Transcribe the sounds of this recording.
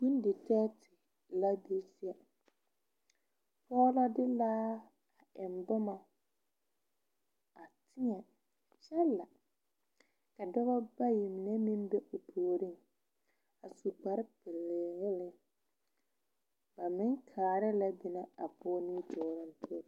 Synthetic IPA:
bi˦n˦dɪ˨tɛ˦tʰɪ˨ | la˦be˦si˦a˨ | pʰɔː˦la˦dɪ˦laː˦ | a˨ɪ˨ndɔ˦ma˨ | a˨tʰɪ˦ɲɛ˨ | t͡ʃɛ˦lːa˨ | ka˨dɔ˦ɣa˦ba˦ji˨m˨nɛ˦mɪ˦nbɛ˦ʔʊ˨tʰoː˨ɾɪ˦˨ŋ | a˨su˨k͡pa˨ɾɪ˦pɪ˨lːɪ˨ɣɪ˦lɪ˦ŋ | b̥a˨mɪ˦ŋkʰaː˨ɾɪ˦la˦bɪ˨na˦a˨pɔː˦ni˦tʰoː˨ɾɪ˦n˦tʰo˦ɾ

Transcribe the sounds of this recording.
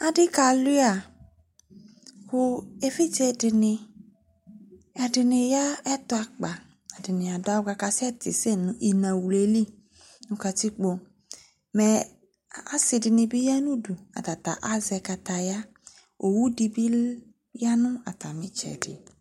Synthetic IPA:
a˦dɪ˦ka˧lu˦a˨ | kʊ˧e˦fi˦t͡ʃɛ˧˨dɪ˧nɪ˧ | ɛ˨dɪ˨nɪ˧ja˦ɛ˦tʊ˦a˧k͡pa˨ | a˨dɪ˨nɪ̃˨a˨da˨˦ɡa˧ka˧sɛ˦ti˨se˦˨nũ˨ʔi˨nã˨wu˨le˨li˦ | nũ˧ka˧ti˦k͡po˧ | mɛ˨ | a˦si˧dɪ˧nɪ˧bi˦ja˦nũ˦du˨a̰˨ta˨ta̰˨ʔa˦zɛ˧ka˧ta˨ja˦ | o˨wu˦di˧bi˦ | ja˦nʊ˦a̰˨ta˨mĩ˨˦t͡ʃɛ̰˨dɪ̰˨

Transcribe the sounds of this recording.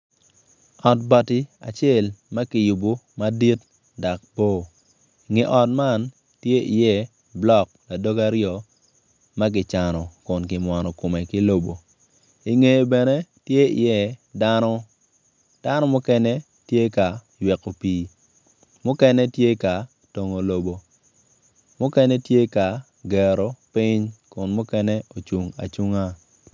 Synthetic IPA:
ɔ˨tba˨tɪ˦a̰˨t͡ʃje˦˨lma˦kɪ˨ju˨bu˦ma˦di˦t | da˨k̚bo˦˨ | i˨ŋe˨ʔɔ˨tma˦n | tje˦ḭ˨jɛ˦ | blɔ˦k̚la˨do˦ɡa˦ɾɪjɔ˨ | ma˦ɡɪ˨t͡ʃa˨nɔ˨kʊ˨nkɪ˨mwa˨nɔ˨ko˨me˨kɪ˦lo˨bo˨ | i˨ŋe˨jbɛ˨ne˦tje˦ḭ˨jɛ˦da˦nɔ˦ | d̥a˦nɔ˦mʊ˦kɛ˦nɛ˦ | tje˦ka˨jwɛ˨ko˨piː˨ | mʊ˦kɛ˦nɛ˦tje˦ka˨ | to˨ŋo˨lo˨bo˨ | mʊ˦kɛ˦nɛ˦tje˦ka˨ | ɡɛ˨ɾo˨pɪ˦ɲkʊ˨nmʊ˦kɛ˦nɛ˦o˨t͡ʃu˨ŋa̰˨t͡ʃu˦ŋa˦

